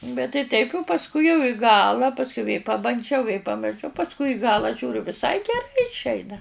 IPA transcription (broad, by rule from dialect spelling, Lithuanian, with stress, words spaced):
bʲɛt tɐɪ ˈtʲɛɪpʲ ʊ pɐsˈkʊɪ jɛʊ ɪ ˈɡɑːlˠɐ ˈpɑːsʲkʲʊ ʋʲeː pɐbɐnʲˈd͡ʒʲɛʊ ʋʲeː pɐmʲɪrˈʃɐʊ pɐsˈkʊɪ ɪ ˈɡɑːlˠɐ ˈʒʲuːrʲʊ ʋʲɪˈsɐɪ ɡʲɛˈrɐɪ ɪʃʲˈɛɪnɐ